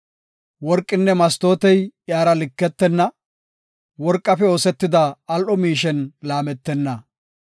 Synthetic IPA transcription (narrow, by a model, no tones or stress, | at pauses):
wɔɾkʼːɪnːɛmɐst̪o̞ːt̪ɛjjaːɾɐlɪkːɛt̪ːɛnːɐ | wɔɾkʼːɐfɛo̞ːsɛt̪ːɪd̪ɐːlʔɔmiːʃɛnlaːmɛt̪ːɛnːɐ